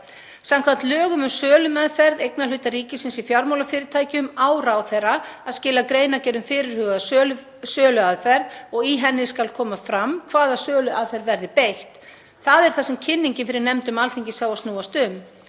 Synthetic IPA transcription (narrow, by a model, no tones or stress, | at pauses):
samkʰvant̪lœːɣʏmʏmsœːlʏmaðfɛɾðejknalʏːt̪ariːcɪsɪnsifjaɾmawlafɪːɾɪɾ̥t̪ʰaːjcʏmaːwrawθejrːaaðscɪːlakɾeːjnacɛːɾðʏmfɪːɾɪɾ̥hʏːɣa | sœːlʏaðfɛɾðɔɣiɦɛnːɪskalkʰɔːmafɾamkʰvaːðasœːlʏʔaðfɛɾðvɛɾðɪpejht̪ | θaðɛɾ̥θasɛmcʰɪnːiɲcɪnfɪɾɪɾnɛmt̪ʏmalθiɲcɪsjawast̪nuːast̪ʏm